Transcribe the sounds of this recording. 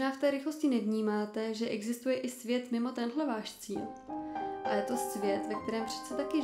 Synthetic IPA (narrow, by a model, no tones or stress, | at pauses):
naːft̪ɛːɾɪxlo̞scɪnɛvɲiːmaːt̪ɛʒɛʔɛɡzɪst̪ujɛʔɪsvjɛt̪mɪmo̞t̪ɛnɦlɛvaːʃt͡siːl | ʔajɛt̪o̞svjɛt̪vɛk̚t̪ɛɾɛːmpr̥ɛ̥t͡sɛt̪akɪ